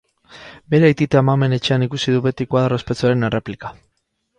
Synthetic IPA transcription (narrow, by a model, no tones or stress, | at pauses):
be̞ɾeajt̪it̪eamame̞ne̞t͡ʃe̞anikusiðuβe̞t̪ikoaðarospet͡soaɾe̞ne̞re̞plikḁ